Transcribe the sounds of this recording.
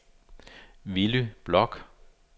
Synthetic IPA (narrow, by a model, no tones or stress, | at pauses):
ʋilyb̥lɒɡ̥